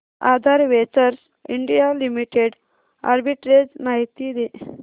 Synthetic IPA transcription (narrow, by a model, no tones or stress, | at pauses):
a̰d̪ʱaɾʋet͡səɾs | iɳɖijalimiʈeɖ | a̰ɾbiʈɾed͡znaɦit̪id̪e